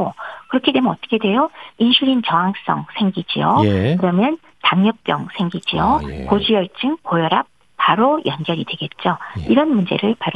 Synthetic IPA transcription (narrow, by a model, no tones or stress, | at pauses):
okɯɾʌkʰedwe̞mjʌnʌt͈ʌ̥kʰe̞dwe̞joinɕʰuɾint͡ɕʌŋɦaŋs͈ʌŋsʰe̞ŋɡid͡ʑḭokɯɾʌmjʌn | taŋjʌp̚p͈jʌ̰ŋsʰe̞ŋɡid͡ʑiokod͡ʑijʌɭt͡ɕ͈ɯŋkojʌɾap̚ːaɾojʔʌnɡjʌɾidwe̞ɡe̞t̚t͡ɕ͈oiɾʌnmund͡ʑe̞̰ɾɯɭpaɾ